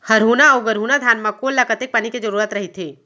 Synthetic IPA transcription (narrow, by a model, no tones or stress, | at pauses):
həɾɦuːnaəwɡəɾɦuːnad̪ʱjaːnmãkolːakət̪ek̚paniked͡ʒəɾuːɾət̪ɾəɦit̪ʰe